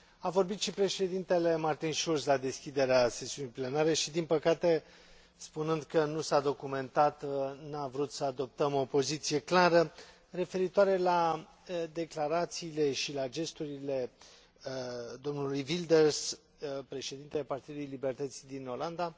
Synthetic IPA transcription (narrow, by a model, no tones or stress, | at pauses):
avo̞rbit̪ʃipɾe̞ʃe̞d̪int̪e̞le̞mart̪inʃulslad̪e̞skʲid̪e̞ɾease̞siunijple̞naɾe̞ʃid̪inpəkat̪e̞ | spunɨnd̪kənusad̪o̞kume̞nt̪at̪navɾut̪səad̪o̞p̚t̪əmo̞po̞zit̪sije̞klaɾə | re̞fe̞ɾit̪oaɾe̞la | d̪e̞klaɾat̪siːle̞ʃilad͡ʒe̞st̪uɾile̞ | d̪o̞mnulujvild̪ers | pɾe̞ʃe̞d̪int̪eapart̪id̪ulujlibe̞rt̪ət̪sijd̪ino̞land̪a